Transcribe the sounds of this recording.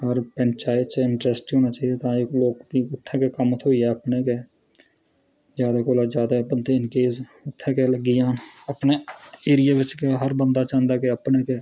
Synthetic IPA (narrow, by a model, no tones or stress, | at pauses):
ɾpɛnt͡ʃaːɪt̪t͡ʃɪ̃ɳʈɾɛsʈɦoːnat͡ʃaːɦiet̪ãːekloːkkiʊt̪ʰːẽkekəmt̪ʰɦoːiɛəpneke | zjaːd̪akoːlazjaːd̪abənd̪eɪnkeːsʊt̪ʰːẽkeləɡːɪjaːnəpneeːɾɪjaʋɪt͡ʃkeɦəɾbə̃nd̪aːt͡ʃãːnd̪akeəpnekeː